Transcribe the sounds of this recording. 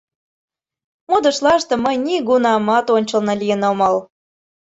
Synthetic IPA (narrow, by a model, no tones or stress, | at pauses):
mod̪ə̆ʃlˠɑʃt̪ɤ̆məjniɡunɑmɑt̪onʲt͡ɕə̆lnɤ̆lʲijə̆nomɑl